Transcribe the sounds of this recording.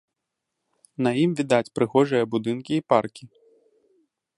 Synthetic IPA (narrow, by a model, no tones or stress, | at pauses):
nɐjimvʲid̪at͡sʲpɾɨɣɔʐɨjɐbud̪ɨnkʲiːparkʲi